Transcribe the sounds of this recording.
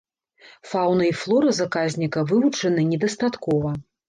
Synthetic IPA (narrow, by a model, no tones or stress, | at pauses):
fawnɨiflˠɔɾɐzakazʲnʲikɐvɨvut͡ʂɐnɨnʲɛd̪ɐst̪at̪kɔvɐ